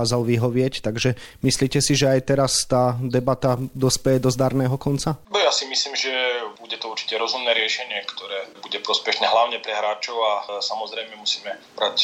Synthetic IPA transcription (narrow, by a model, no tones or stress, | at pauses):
aːzalʋiɦɔʋɪɛct̪aɡʒɛmisliːcɛsiʒɛajt̪ɛɾast̪aːd̪ɛbat̪ad̪ɔspɛjɛd̪ɔzd̪aɾnɛːɦɔkɔnt͡sabɛjasimisliːmʒɛbuɟɛt̪ɔuɾt͡ʃi̥cɛɾɔzumnɛːɾɪɛʃɛɲɪɛkt̪ɔɾɛːbuɟɛpɾɔspɛʃnɛːɦlaʊɲɛpɾɛɦɾaːt͡ʃɔʊasamɔzɾɛjmɛmusiːmɛ | bɾac